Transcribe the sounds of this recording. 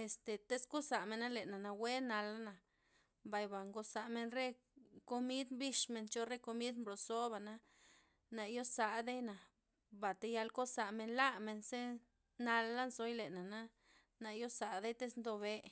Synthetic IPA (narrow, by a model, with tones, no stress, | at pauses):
e˨st̪e˨t̪e˦sko˦sa˨me˧na˦le˨na˨na˨we˦na˧la˦na˨ | ba˨jba˨ŋɡo˧sa˧me˧nɾe˦ | ko˧mi˦d̪mbi˧ʂme˧nt͡ʃo˧ɾe˦ko˧mi˦d̪mblo˨so˦ba˨na˧ | na˧jo˦sa˧ʔd̪e˦jna˨ | ba˨t̪e˧ja˧lko˦sa˨me˧nla˦me˧nse˦ | na˧lːa˦nso˧jle˨na˨na˦ | na˧jo˦sa˨d̪e˦jt̪e˦snd̪o˧βe˧